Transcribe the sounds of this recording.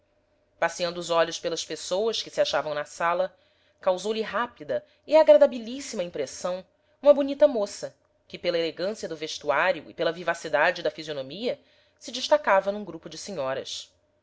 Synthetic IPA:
pasiɐ̃nd̪ʊːzɔʎʊspelɐspesowɐskɪsiaʃavɐ̃w̃nɐsalɐ | kawzowliɦapid̪ɐ | iaɡɾad̪abilisimɐĩmpɾesɐ̃w̃ | ũmɐbunit̪ɐmosɐ | kɪpelɐeleɡɐ̃siɐd̪ʊveʃt̪uaɾjuɪ̰pelɐvivasid̪ad͡ʒɪd̪ɐfizionomiɐ | sɪd͡ʒɪʃt̪akavɐnũɡɾupʊd͡ʒɪsiɲɔɾɐ̰s

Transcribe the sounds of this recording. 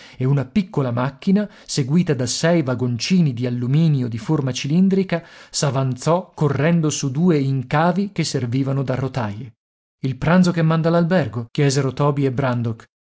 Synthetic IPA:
eunapikːolamakːina | seɡwiːt̪ad̪asɛjvaɡont͡ʃiːnid̪ialːumiːnjod̪iformat͡ʃilind̪ɾikasavant̪sɔkːorːɛnd̪osud̪uːeiŋkaːvikesːerviːvanod̪arot̪aje | ilpɾant̪zokemːand̪alalbɛrɡokjɛːzeɾot̪ɔːbiebɾand̪ok

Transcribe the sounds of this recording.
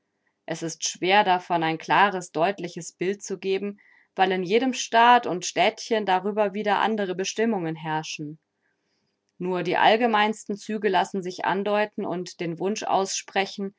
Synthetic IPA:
ʔɛsɪstʃv̥eːɐdafɔnaɪnkl̥aːʁəsd̥ɔʏtlɪçəsb̥ɪlt̚t͡suɡeːbm̩ | v̥aɪlɪnjeːɾəmʃtaːtʊntʃtɛːtçəndaʁyːbɐviːdɐʔa̰ndəʁəbəʃtɪmʊŋənɦɛɐʃn̩ | nuːɐdiːʔa̰lɡəmaɪnstn̩t͡syːɡəlasn̩zɪçʔa̰ndɔʏtn̩ʊ̰ntd̥eːnvʊnʃʔa̰ʊsʃpʁ̥ɛçn̩

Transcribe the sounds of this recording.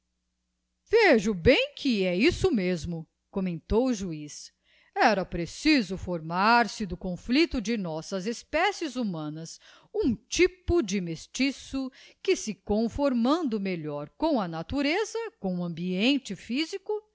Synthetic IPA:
veʒʊbẽj̃kʰɪɛisʊmezmʊ | kõmẽnt̪owʊʒuis | ɛɾɐpɾesizʊfoɾmaɾsɪd̪ʊkõflit̪ʊd͡ʒɪnɔsɐzespɛsɪzumɐ̃nɐs | ũt͡ʃipʊd͡ʒɪmest͡ʃisʊkɪsɪkõfoɾmɐ̃nd̪ʊmeʎɔɾkõw̃ɐnat̪uɾezɐkõɐ̃mbiẽnt͡ʃɪfizikʊ

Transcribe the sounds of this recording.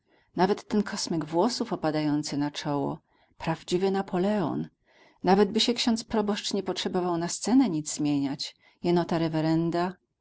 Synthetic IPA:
navɛt̪ːɛnkʰɔsmʲiɡvwɔsufɔpad̪ajɔnt̪sɘnat͡ʂɔwɔ̰ | pɾavd͡ʑivɘnapʰɔlɛɔ̰n | navɛd̪bɘɕɛkɕɔnt̪spɾɔbɔʂt͡ʂɲɛpɔtʂɛbɔvawnast̪sɛnɛɲid̪zzmʲjeɲat͡ɕ | jɛnɔt̪aɾɛvɛɾɛnd̪a

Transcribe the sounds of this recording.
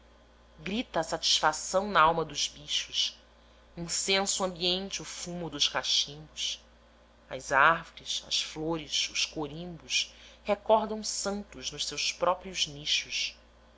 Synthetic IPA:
ɡɾit̪ɐːsat͡ʃi̥sfasɐ̃w̃nɐawmɐd̪ʊzbiʃʊʃ | ĩsẽsuɐ̃mbiẽnt͡ʃɪʊfumʊd̪ʊʃkaʃĩmbʊs | ɐ̰zahvʊɾɪsɐ̰sfloɾɪsʊʃkoɾĩmbʊshekɔɾd̪ɐ̃w̃sɐ̃nt̪ʊznʊʃsewspɾɔpɾiʊzniʃʊʃ

